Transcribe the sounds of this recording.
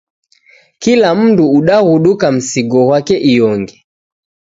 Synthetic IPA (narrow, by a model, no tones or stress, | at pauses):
kilam̩duːɗahuɗukam̩siɡɔhwakɛʔijɔŋɡɛ